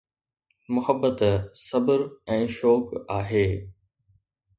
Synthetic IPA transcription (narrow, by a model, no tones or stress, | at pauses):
mʊhəbːət̪sɐbəɾɛ̃ːʃɔːkaːɦeː